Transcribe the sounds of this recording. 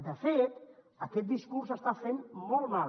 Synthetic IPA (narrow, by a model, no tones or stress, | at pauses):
d̪əfet̪ | akɛt̪̚d̪iskuɾsəst̪afenmolma